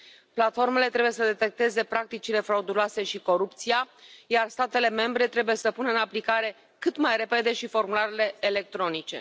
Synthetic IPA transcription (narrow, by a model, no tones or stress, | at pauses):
plat̪fo̞rme̞le̞t̪ɾeuje̞səd̪e̞t̪e̞k̚t̪e̞ze̞pɾak̚t̪it͡ʃile̞fɾaud̪uloase̞ʃiko̞ɾupt̪sijajarst̪at̪e̞le̞me̞mbɾe̞t̪ɾe̞buje̞səpunəɨnaplikaɾe̞ | kɨt̪majre̞pe̞d̪e̞ʃifo̞rmulaɾele̞ːle̞k̚t̪ɾo̞nit͡ʃe̞̰